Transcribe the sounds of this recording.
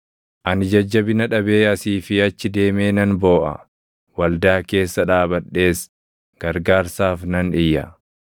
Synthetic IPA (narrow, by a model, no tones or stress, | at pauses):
ʔɐnɪd͡ʒɐd͡ʒːɐbɪnɐᶑɐbeːɐsiːfɪɐt͡ʃːɪd̪e̞ːme̞ːnɐnbo̞ːʔɐ̰ | wɐld̪aːke̞ːsːɐᶑaːbɐɗːe̞ːs | ɡ̥ɐɾɡaːɾsaːfnɐnɪjːɐ̰